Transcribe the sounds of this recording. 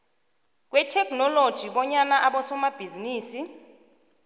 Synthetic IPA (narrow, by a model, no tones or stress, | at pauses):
k̬wɛtʰɛkʰʼnɔlod̥ʒ̥ʱiɓɔɲanaʔaɓɔsɔmab̥ʱiziniːsi